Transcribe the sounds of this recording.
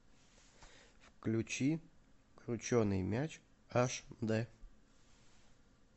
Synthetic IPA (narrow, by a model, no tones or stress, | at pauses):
fklʲʊt͡ɕi | kɾʲʊt͡ɕonɨjmʲæt͡ɕ | aʂd̪ɛ